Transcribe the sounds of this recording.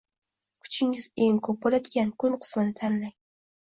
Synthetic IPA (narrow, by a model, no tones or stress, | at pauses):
kʰʊ̥t͡ʃʰɪŋɪz̥eŋkʰɵp̚bolʲad̪ɪɡʲankʰʊnqʰɨ̥smɪnɪt̪ʰanlaj